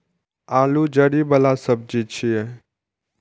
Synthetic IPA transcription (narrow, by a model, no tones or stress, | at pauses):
ãːlud͡ʒəɽibəlasəb̚d͡ʒit͡ʃʰie